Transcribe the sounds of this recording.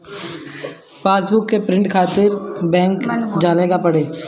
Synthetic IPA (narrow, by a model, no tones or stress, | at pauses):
faːsbʊkːepɾɪ̃ɳʈkʰaːt̪ɪɾbɛ̃ːŋkd͡ʒaːleːɡapɐɽeː